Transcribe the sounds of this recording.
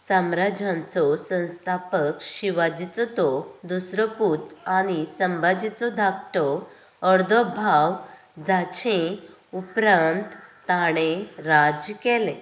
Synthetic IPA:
samɾad͡ʑãnt͡sɔsə̃w̃st̪ʰapəkɕiʋad͡ʑit͡st̪ɔd̪usɾəput̪aɽ̃isəmbad͡ʑit͡sɔd̪ʱak̚t̪ɔ | əɾd̪ʱɔbʱaw | d͡zat͡ɕʰẽ | upɾãnt̪ː | aɽ̃ẽɾad͡zkɛle

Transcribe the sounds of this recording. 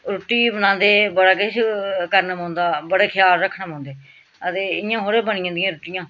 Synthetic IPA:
ɾʊʈːiːbənãːnd̪eːbəɽaːk̬ɪʃkəɾnaːmõːnd̪aːbəɽeːkʰɪjaːlɾəkʰːnaːmõːnd̪eː | ət̪eːɪjãːɦoːɾeːbənɪ̃jãːd̪ɪjãːɾʊʈɪjãː

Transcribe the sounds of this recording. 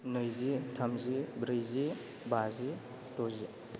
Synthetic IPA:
nɯjzitʰɐmzibɾijzi | bazi | tozi

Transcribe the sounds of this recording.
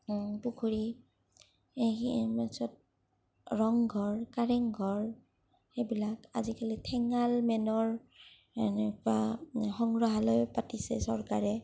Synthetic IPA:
pukʰuɹi | imasɔt̚ | ɹɔŋɡʱɔɹkaɹɛŋɡʱɔɹ | xejbilaka̰zikalitʰɛŋalmɛnɔɹ | ɛnɛkua̰xɔŋɹɔɦalojpatisɛ̰sɔɹkaɹɛ

